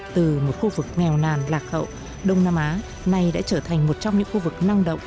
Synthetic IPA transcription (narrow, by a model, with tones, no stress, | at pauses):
t̪ɨ˨˩mo˨˩t̚xu˧vɨ˨˩k̚ŋɛ˨˩wnaː˨˩nlaː˨˩k̚hə̰˧˨w | ɗə˧wŋ͡mnaː˧mʔaː˨˦ | na˨˩jɗa̰ː˧˥t͡ɕəː˧˩t̪ʰa˨˩jŋ̟mo˨˩t̚t͡ɕɔ˧ŋ͡mɲɨ̰˧˥ŋxu˧vɨ˨˩k̚na˧ŋɗə̰˧˨wŋ͡m